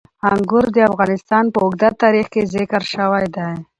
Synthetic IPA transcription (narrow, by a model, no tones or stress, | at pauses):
aŋɡʊɾd̪əafɣɑnɪst̪ɑnpəʊɡ̚d̪at̪ɑɾixkezɪkəɾʃəwajd̪aj